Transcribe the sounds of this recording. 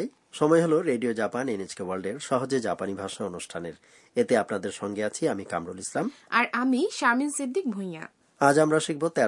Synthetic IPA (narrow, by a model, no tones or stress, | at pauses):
j | ʃɔmɔeɦoloɾeɖiod͡ʑapanened͡ʑkewalɖeɾʃɔɦod͡ʑed͡ʑapanibʱaʃaonuʃʈʰaneɾ | et̪eapnad̪eɾʃɔŋɡeat͡ɕʰiamika̰mɾolislamaɾʔamiʃaminsid̪ʱːik̚bʱoj̃a̰ | ad͡ʑamɾaʃik̚bot̪ːɛ